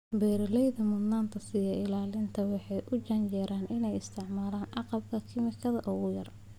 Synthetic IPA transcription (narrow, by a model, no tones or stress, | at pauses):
bɛːɾɐlɛjðɐmʊnaːnt̪ʰɐsɪjɛɪlaːlɪnt̪ʰɐwɑħɑjʔʊt͡ʃɐnt͡ʃɛːɾaːnɪnɛjɪst̪ʰɪʕmaːlaːnʕɑqɑb̚kʰɐkʰɪmɪkʰɐðɐʔʊɣʊjɐr